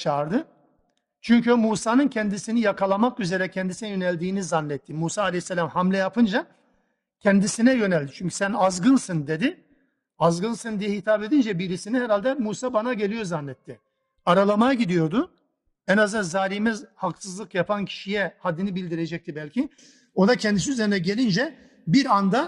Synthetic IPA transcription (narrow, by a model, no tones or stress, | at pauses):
t͡ʃʰaːɾd̪ɯ | t͡ʃʰyɲcymuːsaːnɯncʰɛnd̪isinijakʰalˠamakyze̞ɾɛcʰɛnd̪isinɛjønɛlʲd̪iːnizanːɛt̪ʰːimuːsaːlʲɛjsːɛlʲamhamlʲɛjapʰɯnd͡ʒa | cʰɛnd̪isinɛjø̞nɛlʲd̪it͡ʃʰyɲcʰy̥sænazɡɯnsɯnd̪e̞d̪ɪ | azɡɯnsɯnd̪ijɛhit̪ʰabe̞d̪ind͡ʒɛbiɾisinihɛɾalʲd̪ɛmuːsaːbanaɟe̞lʲijo̞zanːɛt̪ʰːɪ | aɾalˠamajaɟid̪ijo̞ɾd̪ʊ | ɛnazɯnzaːɾimɛzhaksɯzlˠɯkjapʰancʰi̥ʃijɛhad̪ːinibilʲd̪iɾe̞d͡ʒɛc̚t̪ibɛlʲcʰi | od̪acʰɛnd̪isiyzeinɛɟe̞lʲind͡ʒɛ | biɾand̪a